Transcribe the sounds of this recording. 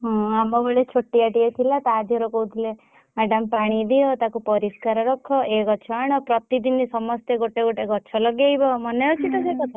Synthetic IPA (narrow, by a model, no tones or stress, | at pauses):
ɦɔ̃amɔbeɭet͡ʃʰoʈːiaʈiet̪ʰilat̪ɔːd͡ʒeɾokout̪ʰile | mɛɖampaɽ̃id̪ijɔt̪akupɔɾiskaɾɔɾɔkʰɔeɡɔt͡ʃʰɔaɽ̃ɔpɾɔt̪id̪inisɔmɔst̪eɡoʈeɡoʈeɡɔt͡ʃʰɔlɔɡjajbɔmɔneut͡ʃʰit̪ɔsekɔt̪ɔ